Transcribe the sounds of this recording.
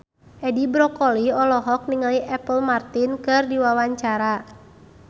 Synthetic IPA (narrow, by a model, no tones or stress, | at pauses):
ʔɛdibɾɔkɔliɔlɔɦɔk̚niŋaliʔɛpəlmart̪inkɨrdiwawaɲt͡ʃaɾa